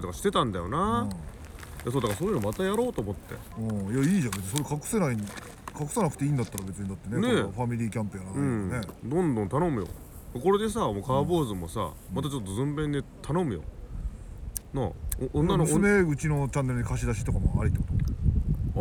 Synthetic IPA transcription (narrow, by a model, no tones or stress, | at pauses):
t̪o̞kaɕi̥t̪e̞t̪ãnd̪ajo̞na | jasoːd̪akaɾsoːjɯnomat̪ajaɾo̞ːt̪oːmo̞t̪ːe̞̰ | ɯ̃ːjaiːʑãbt͡sɨɲisoɾekakɯ̟̥se̞naiɲ | kakɯ̟̥sanakɯ̟̥t̪e̞ĩːnd̪at̪ːaɾabe̞t͡sɨɲ̟id̪at̪ːe̞neneɸamʲiɾʲiːkʲãmpɯjaɾanɯ̃ne̞d̪õ̞nd̪õnt̪ano̞mɯ̟jo̰ | mako̞ɾe̞d̪e̞s̬amokaːbo̞ːzɨmo̞̰sa̰ | mat̪at͡ɕo̞t̪ːozɨ̃mbẽnd̪et̪ʰano̞mɯ̟jo̰ | naʔõnːanoneɯ̟t͡ɕino̞t͡ɕãnːe̞ɾɯ̟ɲikaɕ̬id̪aɕi̥t̪o̞kamo̰a̰ɾʲit̪o